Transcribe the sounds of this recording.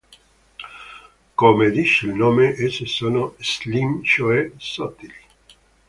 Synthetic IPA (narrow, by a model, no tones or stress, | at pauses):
komed̪iʃilnoːmeʔesesonoslimʃoesɔt̪ːili̥